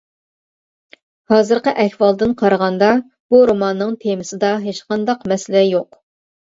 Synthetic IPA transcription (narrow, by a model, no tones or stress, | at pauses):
hɑːzɨɾqəʔɛxwɑlˠd̪ɨnqʰɑɾəʁɑnd̪ɑ | b̥uɾomɑnːɨŋt̪ʰemɪsɪd̪ɑɦet͡ʃqʰɑnd̪ɑqmɛsɪlɛjoq